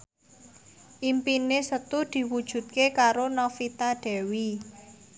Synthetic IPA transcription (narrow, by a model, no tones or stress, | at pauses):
ʔimpinesət̪ud̪̥i̤wud̥ʒ̥ṳd̪̚kekaɾonɔfit̪aɖ̪̥ɛ̤wi